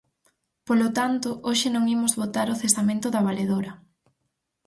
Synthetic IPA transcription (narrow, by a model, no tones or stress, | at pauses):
polot̪ant̪ʊʔoʃɪnõŋimʊzβot̪aɾoθest̪amẽnt̪ʊðɐβaleðoɾɐ